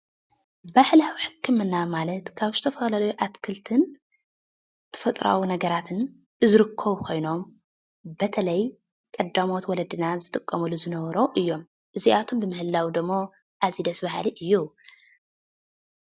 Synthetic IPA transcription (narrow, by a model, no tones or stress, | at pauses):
baħlawiħɨkʰːɨmɨnːamalɐt̪kʰaβzɨt̪ʰɐfɐlalɐjuʔat̪kʰɨlt̪ʰɨn | t̪ʰɐ̥fɐt̪ʼɾa̰wunɐɡɐɾat̪ʰɨn | ɨzɨɾɨkʰːɐβukʰo̞jno̞m | bɐt̪ʰɐlɐj | kʼɐd̪ːamo̞t̪wɔlɐd̪inazɨt̪ʼɨkʼːɐmuluzɨnɐβɐɾo̞ʔɨjːo̞m | ʔɨziʔat̪ʰo̞mbɨmɨhɨlːawid̪ɨmːo | ʔazid̪ɐsbahaliʔɨjːu